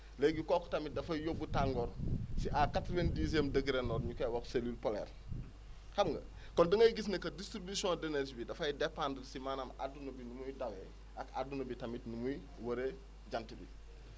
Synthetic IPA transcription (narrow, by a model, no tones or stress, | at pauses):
lɛɡukɔːkɔ̥tɐmit̚dɐfɐjjobːutaŋɡɔɾsiʔakatɾvendis̬ɛmdəɡiɾɛnɔɾɲukɐjwɐkseliːlpɔlɛ̰ːr | kɐmŋɡɐ̰ | kɔndɐŋɡɐjɡis̬nɐkɐdistɾibisjɔ̃dɛnɛsbidɐfɐjdɛpːandəlsimaːnama̰dunɐbinumujdawɛ | ʔɐka̰dunɐbitɐmitnumuj | wɐɾe | ɟantibi